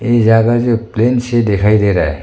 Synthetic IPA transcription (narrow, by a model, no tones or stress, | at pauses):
ezaɡazeplensedekʰajdeɾa̰j